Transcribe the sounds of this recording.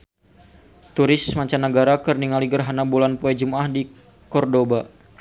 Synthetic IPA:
t̪uɾɪsmaɲt͡ʃanːəɡaɾakərniŋaliɡərɦanabulanpuɛd͡ʒumahdi | kɔrdoba

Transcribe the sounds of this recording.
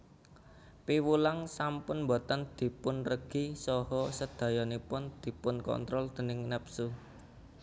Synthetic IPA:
piwulaŋsampʊnmbo̤t̪ənd̪̥i̤pʊnrəɡ̥isɔhɔsəd̪̥ä̤jɔnipʊnd̪̥i̤pʊnkɔ̰nt̪ɾɔld̪̥ə̤nɪŋnɛpsu

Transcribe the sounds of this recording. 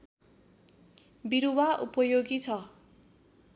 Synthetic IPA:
biɾuwaʔupʌjoɡit͡sʰʌ

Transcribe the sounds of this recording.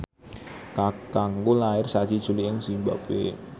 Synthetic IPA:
kakaŋɡulaɪrsad͡ʒ̥id̥ʒ̥uliʔɪŋz̥imba̰pḛ

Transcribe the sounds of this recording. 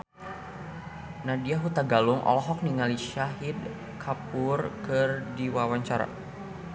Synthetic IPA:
nadiaɦut̪aɡaluŋʔɔ̰lɔɦɔk̚niŋaliʃaɦid̪̚ | kʰapʊrkɨrdiwawaɲt͡ʃaɾa̰

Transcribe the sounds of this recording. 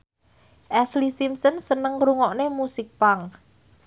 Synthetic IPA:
ʔɛslisimsənsənəŋɾuŋɔʔnemusɪk̚paŋ

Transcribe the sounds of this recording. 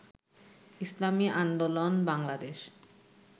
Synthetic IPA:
islamiʔand̪olonbaŋlad̪eʃ

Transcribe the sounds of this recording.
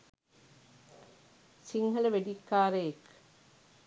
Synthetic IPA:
siŋɦɐləʋeɖikːaːɾejek

